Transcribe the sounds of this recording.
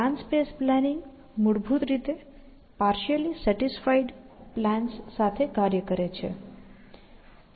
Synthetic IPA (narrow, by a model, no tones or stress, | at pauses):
ãnspesplɛniŋɡ | muɽbʱut̪ɾit̪e | paɾʃəlisəʈisfaiɖ | plæ̃nsːat̪ʰekaɾjəkəɾet͡ʃʰḛ